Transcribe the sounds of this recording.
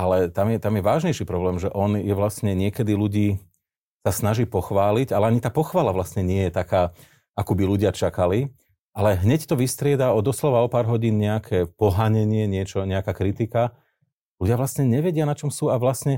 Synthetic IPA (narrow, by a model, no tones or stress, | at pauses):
alɛt̪amjɛt̪amjɛʋaːʒɲɛjʃiːpɾɔblɛːmʒɛʔɔnjɛʋlasɲɛɲɪɛkɛd̪iluɟiː | sasnaʒiːpɔxʋaːliɟalɛaɲit̪aːpɔxʋaːlaʋlasɲɛɲɪɛjɛt̪akaː | akubiluɟɪat͡ʃakali | ʔalɛɦɲɛct̪ɔʋist̪ɾɪɛd̪aɔd̪ɔslɔʋaɔpaːɾɦɔɟiːnɲɛakʰɛːpɔɦaɲɛɲɪɛɲɪɛt͡ʃɔɲɛakakɾit̪ika | luɟɪaʋlasɲɛɲɛʋɛɟɪanat͡ʃɔmsuːaʋlasɲɛ